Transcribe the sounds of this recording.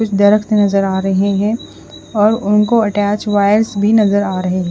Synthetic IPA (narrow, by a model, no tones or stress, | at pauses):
ʊt͡ʃʰd̪ɐɾəkt̪nɐzəɾaːɾɐɦeɦɛ̃ | ɔːɾʊnkoɐʈæːt͡ʃʋaːɪəɾsbʱinɐzəɾaːɾɐɦeɦɛ̃